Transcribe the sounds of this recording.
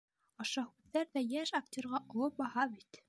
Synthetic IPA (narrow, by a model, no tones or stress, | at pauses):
ɑʃɑhʉðːæɾðæjæʃaktʲoɾʁɑʔŏlˠɤp̚bɑhɑβit̪